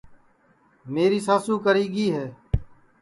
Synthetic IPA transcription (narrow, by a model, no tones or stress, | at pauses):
meːɾiːsaːsũːkəɾiːɡiːɦɛː